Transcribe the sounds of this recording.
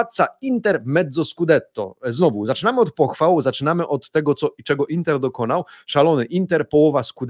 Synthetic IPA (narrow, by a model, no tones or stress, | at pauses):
at̪t̪saint̪ɛɾmɛd̪zɔskud̪ɛt̪ːɔ̰znɔvuzat͡ʂɘnamɘɔt̪̚pɔxfawzat͡ʂɘnamɘʔɔt̪ːɛɡɔt̪sɔt͡ʂɛɡɔʔint̪ɛɾd̪ɔkɔnawʂalɔnɘʔint̪ɛɾpɔwɔvaskud̪